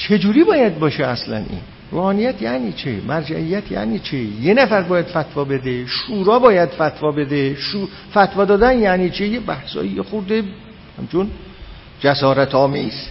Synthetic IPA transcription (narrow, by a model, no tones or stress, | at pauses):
t͡ʃʰe̞d͡ʒuːɾiːbɒːjæd̪̚bɒːʃeæslæ̰nʔḭːn | ro̰ːhɒːnijæt̪ʰjæniːt͡ʃʰḛmʔæɾd͡ʒæ̰ʔijːæt̪ʰjæ̰niːt͡ʃʰejenæfæɾbɒːjæd̪̥fæt̪vɒːbe̞d̪eʃuːɾɒːbɒːjæd̪̥fæt̪ʰvɒːbed̪eʃu | fæt̪ʰvɒːd̪ɒːd̪ænjæniːt͡ʃʰejebæhsɒ̰ːjijexoɾd̪e | hæmt͡ʃon | d͡ʒæsɒːɾæt̪ʰɒːmiːz